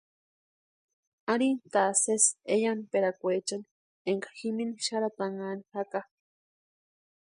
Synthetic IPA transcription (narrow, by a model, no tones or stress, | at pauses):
aɾint̪aːsesejanpeɾakʷet͡ʃan | eŋkḁximiniʃaɾat̪aŋanihaka